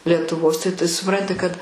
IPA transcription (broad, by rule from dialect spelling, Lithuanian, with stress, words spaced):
lʲiɛtʊˈʋoːs tɐɪ t sʊˈprɐnʲtʲɪ kɐt